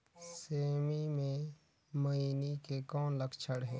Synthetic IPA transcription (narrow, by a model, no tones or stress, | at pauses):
seːmimẽ | mɐinikekɔːnləkt͡ʃʰəɽɦɛː